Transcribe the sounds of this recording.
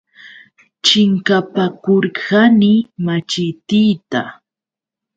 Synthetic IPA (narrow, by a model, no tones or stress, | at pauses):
t͡ʃɪŋkapakoɾkanɪmat͡ʃɪt̪ijt̪a